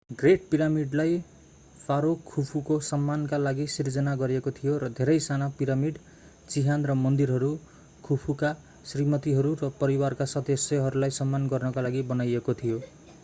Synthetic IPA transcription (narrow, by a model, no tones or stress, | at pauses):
ɡreʈ̚piɾamiɖlaj | pʰaɾokʰːupʰukosʌmːankalaɡisird͡zʌnaɡʌɾiekot̪ʰijoɾʌd̪ʱeɾʌjsanapiɾamiɖ | t͡siɦanrʌmʌnd̪irɦʌɾu | kʰupʰuka | srimʌt̪iɦʌɾurʌpʌɾiwarkasʌd̪ʌsjʌɦʌɾulajsʌmːanɡʌrnʌkalaɡibʌnajekot̪ʰijo